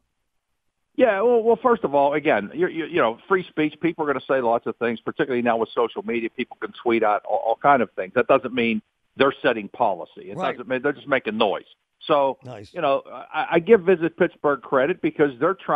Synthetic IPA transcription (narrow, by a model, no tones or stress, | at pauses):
jæwɛlˠwɛlˠfɜ˞stʌvɔlˠɨɡɛ̃njə˞jə˞jɨnoʊfɹispit͡ʃpipl̩ˠə˞ɡʌnɨseɪlɑtsʌv̥θɪ̃ŋz̥pʰə˞tʰɪkjl̩ˠinaʊwəð̥soʊʃl̩ˠmiɾiɨpʰipl̩ˠkɨ̃nsw̥iɾaʊɾɔ̰ʔɔ̰lˠkʰãɪ̃ndʌv̥θɪ̃ŋzðɨt̚d̥ʌzɨ̃nmĩn | ðə˞sɛɾɪ̃ŋpʰɑlˠə̰sḭɨt̚d̥ʌz̃nmĩnðə˞d͡ʒʌs̚meɪkɪ̃ŋnɔɪz̥ | soʊjɨnoʊʔʌaɪʔaɪɡɪvɪzɨt̚pʰɪtsb̥ə˞ɡ̚kʰɹ̥ɛɾɨt̚b̥ɨkʰʌzðə˞tʰɹ̥a